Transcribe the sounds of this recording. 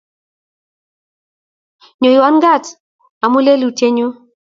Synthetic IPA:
ɲo˨i˨wa˦nɡa˦˨t | a˨mu˦le˦lu˨te˦ɲo˦

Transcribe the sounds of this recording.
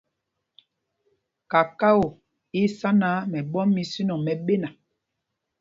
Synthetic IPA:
ka˨ka˦o˨ | i˦sa˦na˦mɛ˨ɓɔ˦mːi˨si˦nɔ˨mɛ˨ɓe˦na˨

